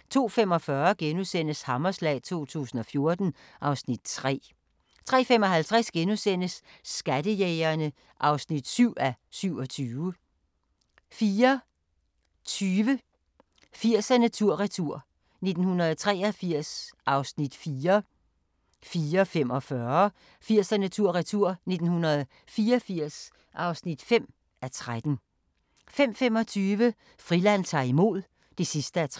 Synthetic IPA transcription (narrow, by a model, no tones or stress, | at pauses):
t͡sʰo̝̰ːfemɒ̽fɶːɐɡ̥enusen̰əshɑ̈mɐslɛ̰ːɪt͡sʰo̝̰ːt͡sʰṵːsn̩ɒ̽fjo̝ɐd̥n̩ | ʔɑ̈ʊsnid̥̚t͡sʰʁɛ̰ː | t͡sʰʁɛ̰ːfemɒ̽ɦælt͡sʰʁasɡ̥enusen̰əsːɡ̥æd̥əjeɪɐnə | ʔɑ̈ʊsnid̥syʊ̰æsyʊ̰ɒ̽t͡sʰyːʊə | fiːɐ | t͡sʰyːʋə | fiɐ̰sænæt͡sʰuɐ̰ʁɛt͡sʰuɐ̰ | ne̝d̥n̩hunɐð̞̩ˠt͡sʰʁɛːɐfiɐ̰sʔɑ̈ʊsnid̥fiːɐ | fiːɐfem̰ɒ̽fɶɐ | fiɐ̰sænæt͡sʰuɐ̰ʁɛt͡sʰuɐ̰ne̝d̥n̩hunɐð̩ˠ | fiːɐfiɐ̰s | ʔɑ̈ʊsnid̥fem̰ | æɐt͡sʰʁad̥n̩ | fem̰femɒ̽t͡sʰyːʋə | fʁilæn̰t͡sʰɑ̰̈ːimo̝ð̞̰ˠ | d̥e̝sisd̥əæ